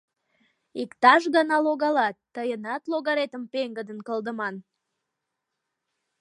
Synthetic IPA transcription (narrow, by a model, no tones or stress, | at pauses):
ikt̪ɑʃɣənɑloɣɑlɑt̪ːəjənɑt̪loɣɑɾet̪əmpeŋɡəd̪ənkəld̪əmɑn